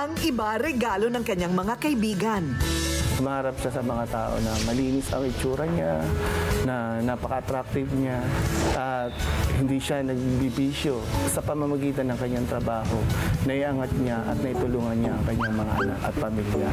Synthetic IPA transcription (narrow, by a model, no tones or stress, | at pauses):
ʔɐŋʔɪbaɾɛɡaːlo̞nɐŋkɐɲːaŋmɐŋakɐʔɪbiːɡɐnsʊmaːɾap̚ʃasɐmɐŋat̪aːʔo̞̰nɐmɐliːnɪsɐ̰ŋɪt͡ʃuːɾɐɲa | nɐnapɐkɐʔːt̪ɾak̚t̪ɪvɲaʔɐt̪̚hɪnd̪iːʃanɐɡ̚bibiːʃjo̞sɐpɐmɐmɐɡiːt̪ɐnːɐŋkɐɲːaŋt̪ɾɐbaːɦo̞nɐʔiʔɐŋat̪̚ɲaʔɐ̰t̪̚nɐʔɪt̪ʊluːŋɐnɲaʔɐŋkɐɲːaŋmɐŋa̰ʔɐnakɐ̰t̪̚pɐmilja̰